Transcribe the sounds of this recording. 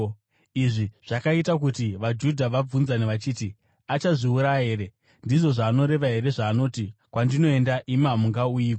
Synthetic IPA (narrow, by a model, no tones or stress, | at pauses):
iʐiʐ̥akaitakutiʋad͡ʒudʱaʋab͡vunzaneʋat͡ʃiːti | at͡ʃaʐiuɾaɦe̞ːɾe̞ | ndiʐo̞ʐaːno̞ɾe̞ʋaɦe̞ɾe̞ʐaːno̞ːtikwandino̞e̞ndaʔimamuŋɡaujiːka